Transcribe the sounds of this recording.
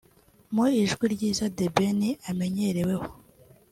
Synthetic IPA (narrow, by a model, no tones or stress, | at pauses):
muiʒɡwiɾɟiːzadebeniʔame̞ɲeɾe̞we̞ho̥